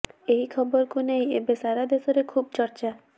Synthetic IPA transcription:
eɦikʰɔbɔɾkuneĩebesaɾad̪esɔɾekʰub̚t͡ʃɔɾt͡ʃa

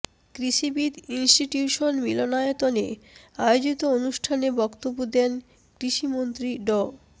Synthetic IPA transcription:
kɾiʃibid̪insʈiʈjuʃonmilonaot̪onḛajod͡ʑit̪oonuʃʈʰanebɔkt̪obːod̪ɛn | kɾiʃimont̪ɾiɖɔ

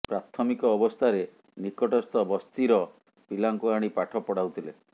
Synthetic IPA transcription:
pɾat̪ʰɔmikɔːbɔst̪ʰaɾe | nikɔʈɔst̪ɔbɔst̪iɾɔ | pilaŋkuaɽ̃ipaʈʰɔpɔɽawt̪ʰile

